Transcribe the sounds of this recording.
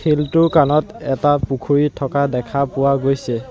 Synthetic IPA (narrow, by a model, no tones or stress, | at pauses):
kʰeltʊkanɔtɛtapukʰuɹitʰɔkadɛkʰapʊwaɡojsɛ